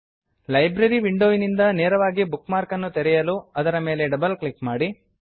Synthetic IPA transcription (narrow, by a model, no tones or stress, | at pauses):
lɐjbɾɐɾiʋiɳɖoːjinind̪ɐneːɾɐʋaːɡibukmaːɾkɐnːut̪eɾɛjɐluɐd̪ɐɾɐme̞ːle̞ɖɐbɐlklikmaːɽi